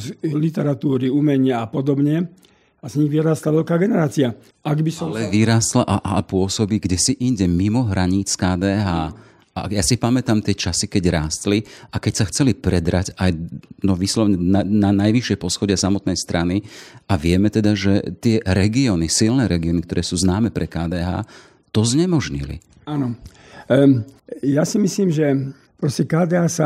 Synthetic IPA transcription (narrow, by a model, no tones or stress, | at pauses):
lit̪ɛɾat̪uːɾiumɛɲɪaːpɔd̪ɔbɲɛ | azɲiɣʋiɾaːst̪laʋɛʎkaːɡɛnɛɾaːt͡sia | aɡbisɔɛʋiɾaːst̪laʔaʔapʊɔsɔbiɡɟɛsiʔiɲɟɛmimɔɦɾaɲiːt͡skaːd̪ɛːɦaː | a̰jasipamɛt̪amt̪ɪɛt͡ʃasikɛɟɾaːst̪liakɛcsaxt͡sɛlipɾɛd̪ɾaɟajnɔʋislɔʋɲɛnananajʋiʃɪɛjpɔsxɔɟɪasamɔt̪̚nɛjst̪ɾʔaniaʋɪɛmɛt̪ɛd̪aʒɛt̪ɪɛɾɛɡiɔːnisilnɛɾɛɡiɔnikt̪ɔɾɛːsuːznaːmɛpɾʔɛkaːd̪ɛːɦa̰ː | t̪ɔzɲɛmɔʒɲḭlḭ | anɔ | jasimisliːmʒɛ | pɾɔscɛkaːd̪ɛːɦaːsa